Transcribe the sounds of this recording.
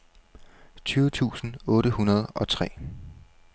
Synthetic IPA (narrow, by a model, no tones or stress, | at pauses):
t͡sʰyːʊət͡sʰṵːsn̩ɔ̽ːɾəhunɐð̞ˠɒ̽t͡sʰʁɛ̰ː